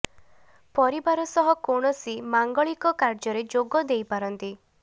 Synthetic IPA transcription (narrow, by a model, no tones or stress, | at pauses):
pɔɾibaɾɔsɔɦɔkoɳ̃ɔsimaŋɡɔɭikɔkaɾd͡ʒɔɾed͡ʒoɡɔd̪ejpaɾɔnt̪i